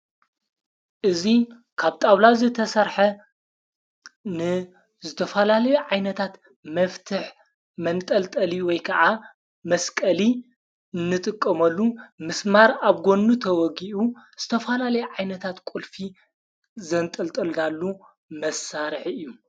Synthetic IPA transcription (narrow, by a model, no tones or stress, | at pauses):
ʔɨzi | kʰaβt̪ʼawlazɨt̪ʰɐsɐɾħɐ | nɨ | zɨt̪ʰɐfɐlalɐjuʕajnɐt̪ʰat̪ | mɐft̪ʰɨħ | mɐnt̪ʼɐlt̪ʼɐliwɔjkʰɐʔa | mɐskʼɐli | ɨnːɨt̪ʼɨkʼːɐmɐlːumɨsmaɾaβɡo̞nːut̪ʰɐwɔɡiʔuz̥ɨt̪ʰɐfɐlalɐjɛʕajnɐt̪ʰat̪kʼulfi | zɐnt̪ʼɐlt̪ʼɐld̪alːu | mɐsaɾħɨjːu